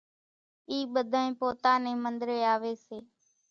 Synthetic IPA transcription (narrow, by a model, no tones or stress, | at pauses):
iːɓəd̪ʱəːẽːpoːt̪aːnẽːmənd̪ɾeːaːʋeːseː